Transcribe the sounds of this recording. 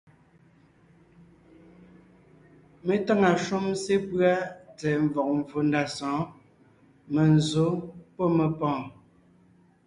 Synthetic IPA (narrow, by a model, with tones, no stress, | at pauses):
me˨ta˦ŋa˨ʃu˦mse˦pɰa˦tɛ˨ɱ˨vɔ˨k̚ɱ˨vo˨nda˨sɔ̃ː˨˦ | me˨n˨zo˨˦pɔ˦me˨pɔ̃ː˨